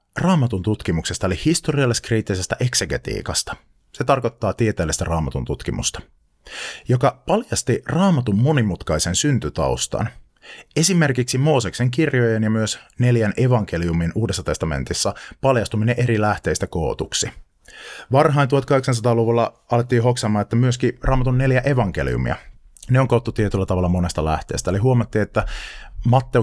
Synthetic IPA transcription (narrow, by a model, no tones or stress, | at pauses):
rɑːmɑt̪unt̪ut̪k̟imukse̞st̪ɑolihist̪o̞riɑlːeskriːt̪ːise̞st̪æʔe̞kse̞ɡe̞t̪ḭːkɑst̪ɑ̥ | se̞t̪ɑrko̞t̪ːɑːt̪iet̪eːlːest̪ærɑːmɑt̪unt̪ut̪k̟imṵst̪ɑ̥ | jo̞kɑpɑljɑst̪irɑːmɑt̪umːo̞nimut̪kɑise̞nsynt̪yt̪ɑ̰ust̪ɑ̰n | e̞sime̞rkiksimo̞ːsekseŋkirjojenjɑmyøsne̞ljænʔe̞ʋɑŋk̟eliuminuːdesːɑt̪e̞st̪ɑmḛnt̪isːɑpɑljɑst̪umineʔe̞ɾilæht̪eːst̪ækoːt̪uksi | ʋɑrɦɑint̪uhɑt̪kɑheksɑns̬ɑt̪ɑːluʋulːɑɑlet̪ːiːɦoksɑmːɑːnet̪ːæmyøskirʔɑːmɑt̪unːe̞ljæʔe̞ʋɑŋk̟e̞̰lḭṵmḭɑ̰ | neoŋkot̪ːut̪iet̪ylːæt̪ɑʋɑlːɑmo̞nest̪ɑlæ̰ht̪ḛːst̪æliɦuomɑt̪ːiːet̪ːæmɑt̪ːe